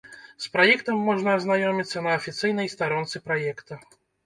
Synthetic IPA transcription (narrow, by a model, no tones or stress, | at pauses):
spɾajɛkt̪ɐmːɔʐnɐːznajɔmʲit̪sːɐnɐːfʲit̪sɨjnɐjst̪aɾɔnt̪sɨpɾajɛkt̪ɐ